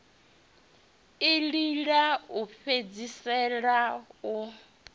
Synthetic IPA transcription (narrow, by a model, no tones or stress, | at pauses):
iliɺaupʰed͡zisɛɺau